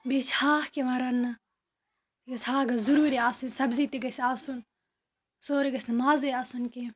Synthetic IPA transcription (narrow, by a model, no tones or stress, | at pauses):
bishaːhkemɐɾɐnːɐ | t̪iɡɐsʲhaːɡɐzuɾuːɾiaːsisɐbzit̪iɡɐsaːsun | soːɾiɡɐsʲnmaːzeaːsunke